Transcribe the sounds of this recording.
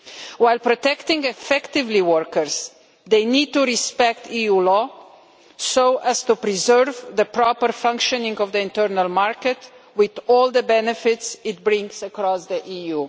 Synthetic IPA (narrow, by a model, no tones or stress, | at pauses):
waɪlpɾɔtɛkt̪ɪ̃ŋɡɛfɛktɪvliwəɾkəɾs | d̪eɪnid̚tuɾispɛkt̪ijulɔ | soʊʔæst̪upɾizɜɾvd̪əpɾɔpəɾfʌ̃ŋkʃɔnɪ̃ŋɡɔvd̪əɪ̃ntɜɾnəlmaɾkət | wɪðɔːlˠd̪əbɛnɛfɪtsɪt̚bɾɪ̃ŋɡsəkɾɔsd̪iʔiju